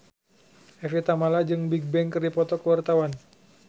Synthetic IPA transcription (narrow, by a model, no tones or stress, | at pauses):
ʔɛfit̪amalad͡ʒɨŋbiɡ̚bɛŋkɨrdipɔt̪ɔkəwart̪awan